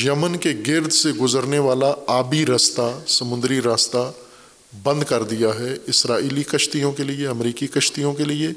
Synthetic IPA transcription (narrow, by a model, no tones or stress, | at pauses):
jɐmənkeɡɪɾd̪ʱseɡʊzəɾneʋaːlaaːbiɾast̪asɐmʊ̃nd̪ɾiɾaːst̪a | bɐ̃nd̪kɐɾd̪ijaɦɛɪsɾaːiːlikɐʃt̪ijõkelieɐmɾiːkikɐʃt̪ijõkelie